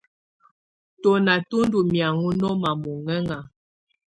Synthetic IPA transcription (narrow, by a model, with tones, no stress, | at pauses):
tɔ˨na˨tu˦ndu˨mja˨ŋu˦nɔ˦ma˨mu˨ŋɛ˦ŋa˨